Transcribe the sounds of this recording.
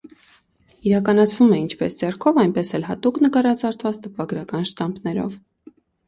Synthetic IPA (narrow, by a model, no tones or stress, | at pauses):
iɾɑkɑnɑt͡sʰvumɛint͡ʃʰpɛsd͡zɛrkʰɔvɑjnpɛsɛlɦɑt̪uknəkɑɾɑt͡sɑɾt̪ʰvɑt͡st̪əpɑɡɾɑkɑnʃt̪ɑmbnɛɾɔ̰v